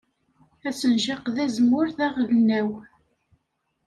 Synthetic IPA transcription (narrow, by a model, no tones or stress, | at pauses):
æsənʒɑqðæzmʊɾθæʁlnːæw